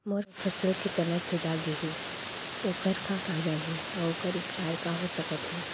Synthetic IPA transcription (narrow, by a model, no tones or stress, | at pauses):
moɾfʰəsəlkit̪ɐnəsed͡ʒaɡiɦi | oːkəɾkakaːɾənɦɛ | ɔoːkəɾɪkt͡ʃaːɾkaɦosɐkət̪ɦɛː